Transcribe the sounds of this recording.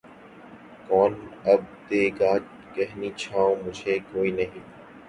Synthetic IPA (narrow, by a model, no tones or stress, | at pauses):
kɔːnəb̚t̪eːɡaːd͡ʒ | kɛɦniːt͡ʃʰaːõmʊd͡ʒʱeːkoːiːnəɦĩː